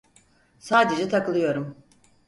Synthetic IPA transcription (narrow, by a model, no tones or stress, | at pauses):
saːd̪ed͡ʒɛt̪ʰakɯlˠɯjo̞ɾum